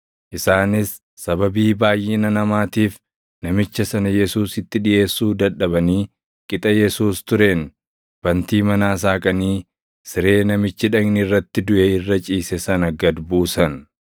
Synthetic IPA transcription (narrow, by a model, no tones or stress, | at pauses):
ʔɪsaːnɪsː | ɐbɐbiːbaːjʔːɪnɐnɐmaːt̪iːf | nɐmɪt͡ʃːɐsɐnɐjɛsuːsɪt̪ːɪᶑɪʔe̞ːsːuːd̪ɐᶑɐbɐniː | kʼɪt̪ʼɐjɛsuːst̪ʊɾe̞ːn | b̥ɐnt̪iːmɐnaːs̬aːkʼɐniː | sɪɾe̞ːnɐmɪt͡ʃːɪᶑɐɡnɪɪrːɐt̪ːɪd̪ʊʔɛɪrːɐt͡ʃʼiːsɛsɐnɐɡɐd̪buːsɐn